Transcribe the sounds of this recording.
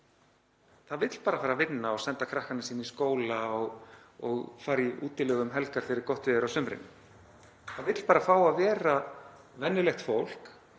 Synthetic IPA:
θaðvɪt̪l̥paːɾafaːɾavɪnːaɔɣsɛnt̪akʰɾahkanɪsiːniskoːwlaɔɣ | ɔɣfaːɾiʔṵːt̪ɪlɛɣʏmɦɛlkaɾ̥fɪɾɪɾ̥kɔht̪vɪʏɾawsʏmɾɪ̰nː | θaðvɪt̪l̥paːɾafaːwaðvɛːɾa | vɛnːɪlɛxt̪fowl̥k

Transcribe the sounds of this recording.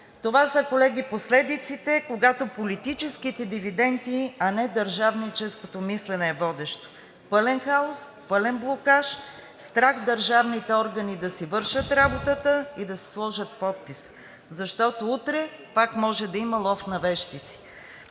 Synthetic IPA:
t̪ovasəkolɛɡiposlɛd̪it̪sit̪ɛkoɡat̪opolit̪it͡ʃɛskit̪ɛd̪ivid̪ɛnt̪iɐnɛd̪ɐɾʒavnit͡ʃɛskot̪omislɛnɛːvɔd̪ɛʃt̪o̥ | pɤlɛnxaospɤlɛnblˠokaʃ | st̪ɾaxd̪ɐɾʒavnit̪ɛɔɾɡɐnid̪ɐsivɤɾʃət̪ɾabot̪ət̪əid̪ɐsɛ̥slˠɔʒət̪̚pɔt̪̚pis | zɐʃt̪ɔt̪out̪ɾɛ | pakmɔʒɛd̪ɐimɐlˠɔft̪nɐvɛʃt̪it̪si̥

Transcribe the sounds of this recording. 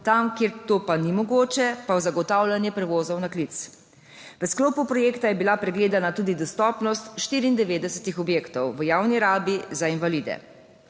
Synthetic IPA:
t̪amkeːɾt̪oːpanimɔɡoːt͡ʃɛpawzaɡɔt̪aːwlanjɛpɾɛʋoːzɔwnaklit̪s | ʋəskloːpupɾɔjeːkt̪ajɛbilapɾɛɡleːd̪anat̪uːd̪id̪ɔst̪ɔːpnɔst̪ʃt̪iːɾiːnd̪ɛʋeːd̪ɛsɛt̪ixɔbjeːkt̪ɔwʋəjawniɾaːbizainʋalid̪ɛ̰

